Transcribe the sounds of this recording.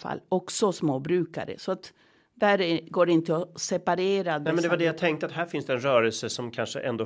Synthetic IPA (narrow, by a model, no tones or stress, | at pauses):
fa̰lːɔksɔsmoːbɾʉ̟ːka̰ɾə̰sɔat̪ | d̪æːɾɡoːɖɛɪnt̪əɔsɛpaɾeːɾad̪nɛmɛnd̪ɛvaɖɛjat̪ʰɛŋkt̪əat̪hæːɾfɪnsd̪ɛɛnɾœːɾɛlsəsɔmkʰanʂə̰ʔɛnd̪oː